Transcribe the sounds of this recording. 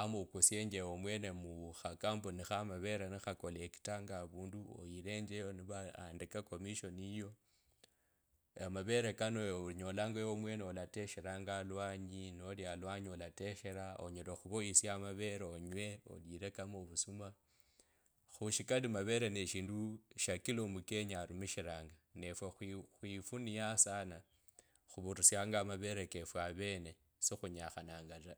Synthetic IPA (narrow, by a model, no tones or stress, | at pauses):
amokusjeɲd͡ʒewomwe̞nemuxakambonixamaβe̞ɾanixako̞leki̥taŋɡaβuːnduo̰jile̞ɲd͡ʒejoniβaa̰ndikako̞miʃo̞nijo̞ | amaβe̞ɾekanooɲolaŋɡewomwe̞ːneolate̞ʃeɾaŋɡalwaːɲinoljalwaɲiolateʃe̞ɾao̰ɲeloxuβoisiamaβe̞ɾeoɲwe̞o̰liɾekamoβusuma | xuʃikalimaβe̞ɾeneʃiːnduʃakilomuke̞ɲaɾumiʃiɾaːŋɡane̞fwexwixwifunijasana | xuβuɾusjaŋɡamaβe̞ɾekefwaβe̞ne̞ | sixuɲaxanaːŋɡaɾa